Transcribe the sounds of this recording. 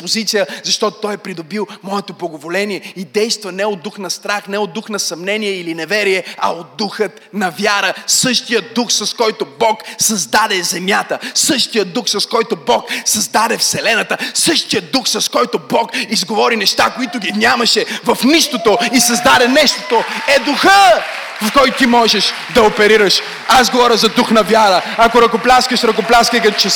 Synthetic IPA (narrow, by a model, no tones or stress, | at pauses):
pozit̪sijəzɐʃt̪ɔt̪ot̪ɔjɛpɾid̪obilˠmɔɛt̪oblˠɐɡovolɛnijɛid̪ɛjst̪vɐnɛod̪ːuxnɐst̪ɾaxnɛod̪uxnɐsɐmnɛnijɛilinɛvɛɾijɛɐ̰od̪̚ːuxət̪nɐvjaɾəsɤʃt̪ijəd̪uxsɐskɔjt̪obɔksɐzd̪ad̪ɛzɛmjat̪əsɤʃt̪ijət̪d̪uxsɐskɔjt̪obɔksɐzd̪ad̪ɛfsɛlɛnɐt̪əsɤʃt̪ijət̪d̪uxsɐskɔjt̪obɔkizɡovɔɾinɛʃt̪akoit̪ʊɡʲinʲjamɐʃɛvɐfniʃt̪ot̪oisɐzd̪ad̪ɛnɛʃt̪o̥t̪oɛd̪uxə | fkɔjt̪ʊt̪imɔʒɛʃ | d̪ɐopɛɾiɾəʃ | azɡovɔɾʲəzɐd̪uxnɐvjaɾəɐkoɾɐkoplʲaskəʃɾɐkoplʲaskəjkɐt̪ot͡ʃɛ